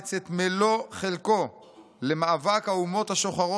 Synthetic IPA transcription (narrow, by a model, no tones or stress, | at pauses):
t͡set̪melo̞χelko̞ | lemaːvakhaumo̞t̪haʃo̞χaʁo